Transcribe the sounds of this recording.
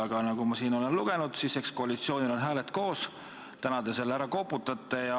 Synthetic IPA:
ɑɡ̥ɑnɑɡumɑsiːno̞le̞nluɡ̥e̞nud̪̥sise̞ksko̞ɑlit̪sio̞ːnilo̞nɦæːle̞t̪ˑko̞ːs | t̪ænɑd̪e̞selːæɾɑko̞pːˑut̪ːˑɑt̪ˑːejɑ

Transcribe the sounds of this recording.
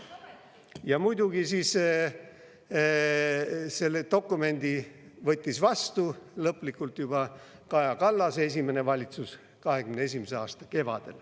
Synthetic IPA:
jɑmujd̪̥uɡisiːs | se̞lːet̪o̞kːˑume̞nd̪̥ivɤt̪ʲːisvɑst̪ulɤplikːˑult̪jub̥ɑ | kɑjɑkɑlːɑse̞s̬ʲime̞ne̞vɑlʲit̪sus | kɑɦe̞kymnees̬ʲimese̞ɑːst̪ɑ̥ke̞vɑ̰d̪̥e̞̰l

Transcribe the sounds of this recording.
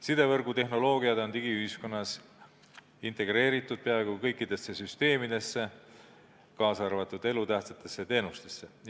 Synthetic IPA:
sid̪e̞vɤrɡut̪e̞ɦno̞lo̞ːɡiɑd̪o̞nt̪iɡ̥iyhisko̞nːɑs | int̪e̞ɡ̥re̞ːɾit̪ːˑud̪̥̚peɑeɡukɤjkːˑid̪̥e̞sːe̞syst̪e̞ːmid̪e̞sːe̞ | kɑːsɑrvɑt̪ːˑud̪e̞lut̪æht̪set̪ːˑe̞sːet̪e̞ːnust̪e̞sːe̞

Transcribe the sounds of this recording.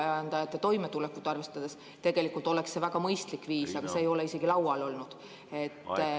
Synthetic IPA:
ænd̪̥ɑjɑt̪ːˑet̪o̞jmet̪ulekːˑut̪ːˑɑrve̞st̪ɑd̪̥e̞s | t̪e̞ɡ̥e̞likːˑult̪ːˑo̞le̞ksːe̞væɡ̥ɑmɤjst̪likːviːsɑɡ̥ɑse̞ːjo̞le̞ise̞ɡilɑwɑlo̞lnud̪̥ | e̞t̪ː

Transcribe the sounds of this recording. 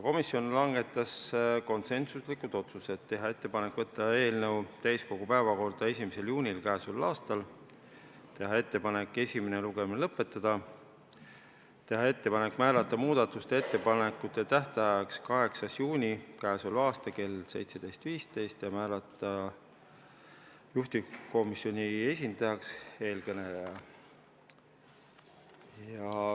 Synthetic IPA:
jɑko̞misːjo̞nlɑŋɡ̥e̞t̪ːˑɑsko̞nse̞nsuslikud̪̥o̞t̪suse̞t̪t̪ːe̞ɦɑe̞t̪ːe̞pɑne̞kːˑvɤt̪ːˑɑe̞ːlnəwt̪æjsko̞ɡ̥upæevɑko̞rd̪̥ɑe̞sʲimise̞ljuːnʲilkæːsulːɑːst̪ɑl | t̪e̞ɦɑe̞t̪ːe̞pɑne̞kːˑe̞sʲimeneluɡ̥e̞minlɤpːˑe̞t̪ːˑɑd̪̥ɑ | t̪e̞ɦɑe̞t̪ːe̞pɑne̞kmæːlɑt̪ːˑɑmuːd̪̥ɑt̪ːˑust̪ee̞t̪ːe̞pɑnekːˑut̪ːˑe̞t̪æht̪ɑɑɑkskɑɦe̞ksɑsjuːnʲikæːsulɑːst̪ɑke̞lse̞jt̪se̞d̪̥ejst̪viːst̪e̞jst̪jɑmæːlɑt̪ˑːɑ | juht̪iko̞misjo̞nʲie̞sʲind̪̥ɑjɑkse̞ːlkɤnelejɑ | jɑ

